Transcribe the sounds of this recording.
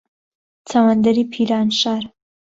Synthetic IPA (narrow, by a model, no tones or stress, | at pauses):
t͡sawand̪aɾipʰiɾɑnʃɑɾ